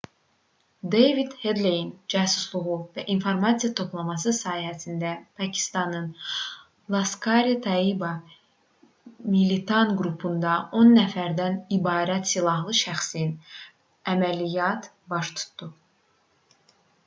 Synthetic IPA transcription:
d̪ejvid̪hed̪lejind͡ʒæːsuslˠuɣuvæʔinfo̞ɾmɑsijɑt̪ʰo̞plˠɑmɑsɯsɑːhihæsind̪æpʰɑcʰi̥st̪ɑnɯn | lˠɑskʰɑɾit̪ʰɑibɑ | milit̪ʰɑnɡɾupʰund̪ɑʔo̞nːæfæɾd̪ænibɑːɾæt̪silˠɑɦlˠɯʃæxsin | æmælijɑt̪ | bɑʃt̪ʰu̥t̪d̪u

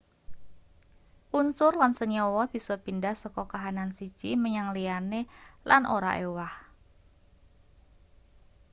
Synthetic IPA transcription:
ʔunsʊrlansəɲɔwɔb̥isɔpindahsɔkɔkaɦanansi̥d͡ʒ̥iməɲaŋlianelʔanʔoɾa̰ʔḛwah

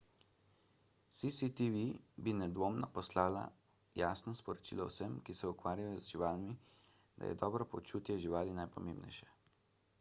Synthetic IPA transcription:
sisit̪iʋibinɛd̪ʋoːmnɔpɔslaːla̰ | jaːsnɔspɔɾɔt͡ʃḭːlɔwsəmkisɛukʋaːɾjajɔzʒiʋaːlmi | d̪a̰jɛ̰d̪ɔːbɾɔpot͡ʃuːt̪jɛʒiʋaːlinajpɔmeːmbnɛ̰jʃɛ̥

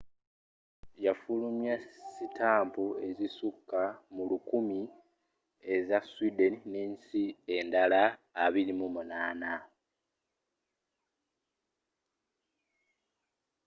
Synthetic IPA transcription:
jafulumjasitaːmpue̞zisukːamulukumi | e̞zaswidenineːnsie̞ndalaːβiɾimumunaːna

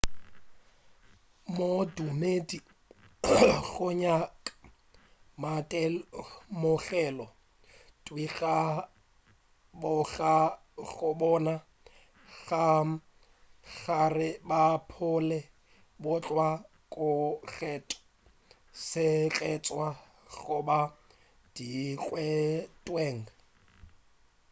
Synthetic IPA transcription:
modumedi | ɣʊɲakʼ | matʼɛ | mʊɣɛlɔ | tʼwiɣa | bʊɣa | ɣʊbɔna | ɣa | ɣarɪbapʰʊlɛ | bʊt͡ɬʼwa | kʼʊɣɛtʼ | sɪt͡ɬʼɛt͡sʼwa | ɣʊba | d̥ikʼwɛtʼweːŋ̩

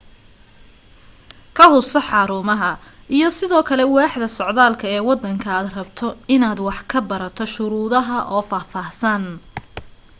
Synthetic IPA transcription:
kʰɐhʊsɐħɑːɾʊːmɐɦɐʔijɔsɪðɔːkʰɐlɛwɑːħðɐsɔʕðaːlkʰɐɛːwɑd̪ːɐŋkʰɐaːd̪rɐbt̪ʰɔɪnaːd̪wɑħkʰɐbɐɾɐt̪ʰɔʃʊɾuːðɐɦɐʔɔːfaːfaːhsɐn

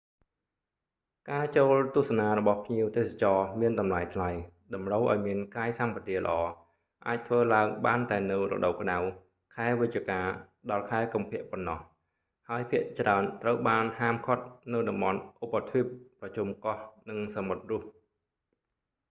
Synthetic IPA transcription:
kaːt͡ɕoːlt̪ŭəhsanaːɾɔɓɑhpʰɲiəwt̪eːsat͡ɕɑːmiənɗɑmlajt̪ʰlajɗɑmrəwʔaɔjmiənkaːjsampat̪iələ̰̆ʔɑː | ʔaːc̚t̪ʰʋəːlaəŋɓaːnt̪aɛnɨwrɔ̰ɗowkɗaw | kʰaɛʋɨc̪̚t͡ɕiəkaː | ɗɑlkʰaɛkumpʰɛ̆əʔponːɑh | haəjpʰiəʔt͡ɕraənt̪rəwɓaːnhaːmkʰŏət̪̚nɨwɗɑmɓɑnʔopːat̪ʰʋipːrɑt͡ɕumkɑhnɨŋsamot̪̚rʊ̆əp̚

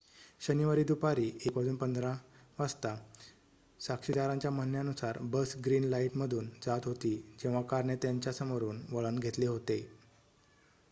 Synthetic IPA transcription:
ɕəniʋaɾiːd̪upaɾiːekʋad͡zuːnpənd̪ɾãʋast̪a | sakʂid̪aɾãɲt͡ɕjaməɦnjanusaɾbəsɡɾiːnlaiʈməd̪ʱuːnd͡zat̪ɦot̪iːd͡ʑẽʋ̤̃akaɾɳet̪jaɲt͡ɕjasəmoɾuːnʋəɭənɡʱet̪leɦot̪e

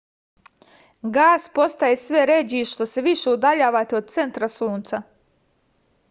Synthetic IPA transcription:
ɡaːspo̞st̪ajesʋeɾed͡ʑiʃt̪o̞seʋiʃe̞ud̪aʎaːʋaːt̪eo̞d̪̚t̪se̞nt̪ɾasuːnt̪sa

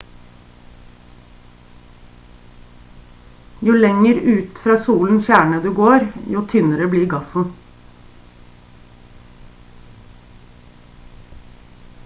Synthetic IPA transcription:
juːlɛŋəɾʉːt̪fɾɑːsuːln̩çæːɳəd̪ʉːɡoːɾjuːt̪ʰʏnəɾəbliːɡɑsn̩

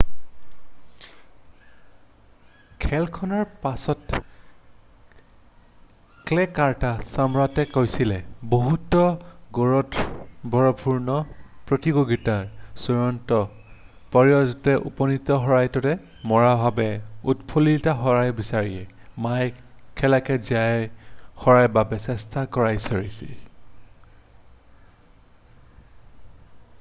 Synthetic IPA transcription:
kʰɛlkʰɔnaɹpasɔt | klɛkaɹtasamɹatɛkojsilɛboɦutɔɡoɹɔtbʱɔɹɔpʰuɹnɔpɹotiɡoɡitaɹsuɹɔntɔ | pɔɹijɔzɔtɛʔṵpɔnitɔɦɔɹajtɔtɛ | mɔɹabʱabɛutpʰolitaɦɔɹajbisaɹiɛ | maj | kʰɛlakɛziajxɔɹajbabɛsɛstʰakɔɹajsɔɹisḭ

